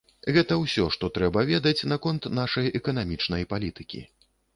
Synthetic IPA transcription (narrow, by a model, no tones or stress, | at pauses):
ɣɛt̪ɐwsʲɔʂt̪ɔt̪ɾɛbɐvʲɛd̪ɐt͡sʲnakɔnt̪naʂɐjɛkɐnamʲit͡ʂnɐjpalʲit̪ɨkʲḭ